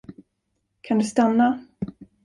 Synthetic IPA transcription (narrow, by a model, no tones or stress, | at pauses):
kʰand̪ɵst̪anːa